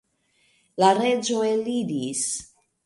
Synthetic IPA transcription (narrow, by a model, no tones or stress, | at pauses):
laɾed͡ʒoelidis